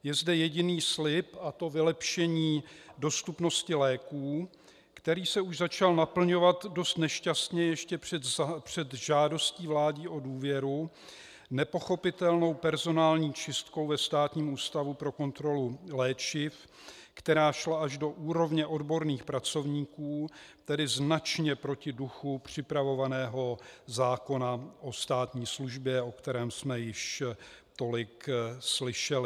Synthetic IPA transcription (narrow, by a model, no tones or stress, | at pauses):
jɛzdɛjɛɟɪniːslɪpʔat̪o̞vɪlɛpʃɛɲiːdo̞st̪upno̞scɪlɛːkuː | kt̪ɛɾiːsɛuʒzat͡ʃalnapl̩ɲo̞vat̪do̞st̪nɛʃcast̪ɲɛjɛʃcɛ̥ɛpr̝̥ɛt̪ʒaːdo̞sciːvlaːɟiːʔo̞duːvjɛɾu | nɛpo̞xo̞pɪt̪ɛlno̞wpɛɾzo̞naːlɲiːt͡ʃɪst̪ko̞wvɛst̪aːt̪ɲiːmuːst̪avupɾo̞ko̞nt̪ɾo̞lulɛːt͡ʃɪf | kt̪ɛɾaːʃlaʔaʒdo̞ʔuːɾo̞vɲɛʔo̞dbo̞ɾniːxpɾat͡so̞vɲiːkuːt̪ɛdɪznat͡ʃɲɛpɾocɪduxupr̝̥ɪpɾavo̞vanɛːɦo̞zaːko̞naʔo̞st̪aːt̪ɲiːsluʒbjɛo̞kt̪ɛɾɛːmsmɛjɪʃ | t̪o̞lɪkslɪʃɛlɪ